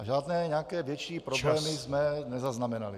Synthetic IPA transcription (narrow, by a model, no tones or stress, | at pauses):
aʒaːdnɛːɲɛakɛːvjɛt͡ʃiːpɾoblɛːmɪzmɛnɛzaznamɛna̰lɪ